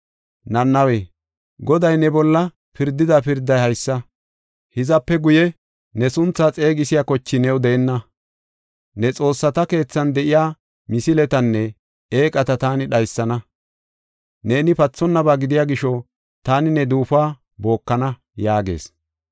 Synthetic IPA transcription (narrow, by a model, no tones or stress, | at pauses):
nɐnːɐweː | ɡɔd̪ɐjnɛbɔlːɐ | pɪɾd̪ɪd̪ɐpɪɾd̪ːɐjhɐjsːɐ | hɪzɐpːɛɡʊjɛ | nɛsʊnt͡sːaːt͡sʼe̞ːɡɪsɪjakɔt͡ʃːɪnɛwd̪ɛʔɛnːɐ | nɛt͡sʼo̞ːsːɐt̪ɐke̞ːt͡sːɐnd̪ɛʔɪjaː | mɪsɪlɛt̪ɐnːɛ | e̞ːkʼɐt̪ɐt̪aːnɪɗɐjsːɐnɐ | ne̞ːnɪpɐt͡sːɔnːɐbaːɡɪd̪ɪjaːɡɪʃɔ | t̪aːnɪnɛd̪uːfaː | bo̞ːkːɐnɐ | jaːɡe̞̰ːs